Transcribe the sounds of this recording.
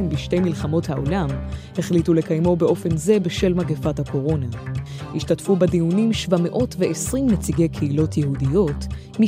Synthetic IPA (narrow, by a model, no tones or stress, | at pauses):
mbiʃte̞jmilχamo̞thaʔolamhe̞χlitulekajmo̞be̞ʔo̞fe̞nze̞beʃe̞lmaɡefathako̞ʁo̞na | hiʃtatfubedijunimʃvame̞ʔo̞tveʔesʁimnet͡siɡe̞jkʰeilo̞tjeɦudijo̞t | mi